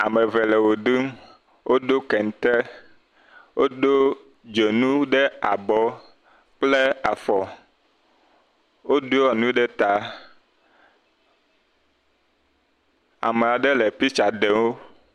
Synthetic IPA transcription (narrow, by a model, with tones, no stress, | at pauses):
a̰˨me˨vɛ˨lɛ˨wo˨ɖɨ˦m | wʔo˦do˦kɛ˨ŋ˨t̪e˦ | wo˦ɖo˦ | d͡ʒe˨nũ˦ɖe˦a˨bɔ˨ | k͡ple˦a˨fɔ˨ | wo˦do˦ɔ˨nũ˦ɖe˦t̪a˨ | a̰˨me˨a˨ɖe˦lɛ˨pi˦t͡ʃa˨ɖe˨wo˦